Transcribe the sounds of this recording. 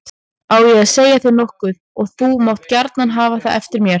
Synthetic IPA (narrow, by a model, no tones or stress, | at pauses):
awjɛɣaðseːjaθɪɾnɔhkʏð | ɔɣθumawht̪caɾt̪nanɦaːvaθaðɛ̰ft̪ɪɾmjɛɾ